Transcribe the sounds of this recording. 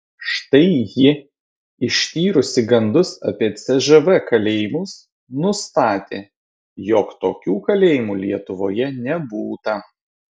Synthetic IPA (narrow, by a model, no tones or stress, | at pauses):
ʃt̪ɐɪjɪ | ɪʃʲt̪ʲiːɾʊsʲɪɡɐnd̪ʊsɐ̰pʲiɛt̪sʲɛʒɛʋɛkɐlʲeːjɪmʊs | nʊst̪ɑːt̪ʲeː | joːkt̪oːkʲuːkɐlʲeːjɪmuːlʲiɛt̪ʊʋoːjɛnʲɛbuːt̪ɐ